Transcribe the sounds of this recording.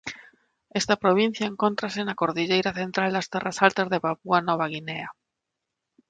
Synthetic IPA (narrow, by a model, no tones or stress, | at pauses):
ɛst̪ɐpɾoβ̞in̟θjaeŋkont̪ɾasenakoɾðiʎejɾaθent̪ɾald̪ast̪ɛrasalt̪azðeβapuanɔβaɣ̞inea